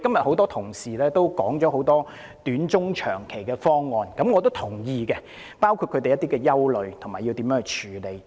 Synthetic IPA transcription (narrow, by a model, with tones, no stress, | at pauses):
kɐ˥mjɐ˨t̚ho˨˥wt̪ɔː˥t̪ʰʊ˨˩ŋsiː˨˩lɛː˥t̪o˥wkɔː˨˥ŋt͡ʃɔː˨˥ɦo˨˥wt̪ɔː˥ | t̪yː˨˥nt͡ʃʊ˥ŋt͡ʃʰœ̰ː˨˩ŋkʰe˨˩jkɛː˧fɔː˥ŋːɔː˧nkɐ˨˥mŋɔː˨˧t̪o˥wt̪ʰʊ˨˩ŋjiː˧kɛ˧ | paː˥wkʰu˧t̚kʰɵ˨˧t̪e˨jɐ˥t̪iː˥kɛː˧jɐ˥wlɵ˨˧ɥt̪ʰmaː˨˩ji˧wt̪iː˨˥mjœː˨˧˥ht͡ʃʰyː˨˩le˨j